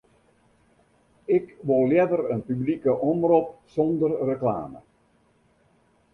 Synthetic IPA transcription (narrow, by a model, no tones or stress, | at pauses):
ɪkʋoljɛdərənpyblikəʔɔmrɔp̚sɔndərrəkla̰ːmə̰